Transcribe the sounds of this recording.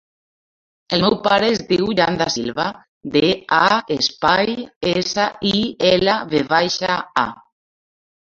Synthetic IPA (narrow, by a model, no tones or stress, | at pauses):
elmɛwpaɾeːzdiwʎand̪asilβa | d̪eaespajesaiɛlaβeβajʃaa̰